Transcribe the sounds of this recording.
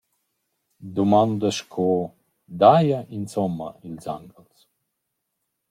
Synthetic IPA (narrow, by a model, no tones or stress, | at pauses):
d̪umand̪əʃkʰo | d̪ajaʔinsɔmːa̰ilʲza̰ŋɡəls